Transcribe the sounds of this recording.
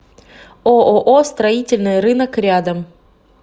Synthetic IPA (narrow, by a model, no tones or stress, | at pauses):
oʔoʔost̪ɾɐitʲɪlʲnɨjɾɨnəkɾʲad̪əm